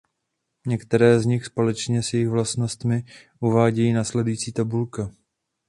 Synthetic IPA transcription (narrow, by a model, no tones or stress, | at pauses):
ɲɛkt̪ɛɾɛːzɲɪxspo̞lɛt͡ʃɲɛsjɛjɪɣvlast̪no̞st̪mɪ | ʔuvaːɟɛjiːnaːslɛdujiːt͡siːt̪abulka